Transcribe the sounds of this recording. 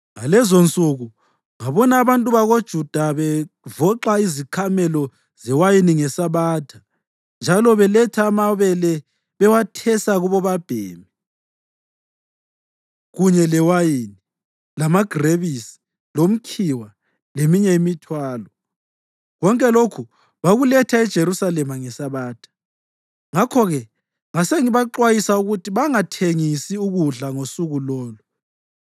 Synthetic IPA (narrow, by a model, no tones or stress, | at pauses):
ŋalɛzont͡sʼuɣu | ŋaβɔnaːβantʼuβaɣod̥ʒ̥ʱud̥ʱaβɛ | vɔǃaizikʰamɛlɔ | z̥ɛwajiniŋɛsaβaːtʰḁ | nd͡ʒʱalɔβɛlɛtʰaːmaβɛlɛ | βɛwatʰɛsaɣuβɔβab̥ʱeːmi | ɣuɲɛlɛwajini | lamaɡ̥ʱreβisi̥ | lom̩kʰiwa | lemiɲɛimitʰwaːlɔ | ɣɔŋkʼɛlokʰu | βaɣulɛtʰaɛd̥ʒ̥ʱeɾusalɛmaŋɛsaβaːtʰḁ | ŋakʰɔɣɛ | ŋaseŋiβaǃwajisauɣutʰiβaŋatʰeŋisiuɣuɮaŋosuɣulɔːlɔ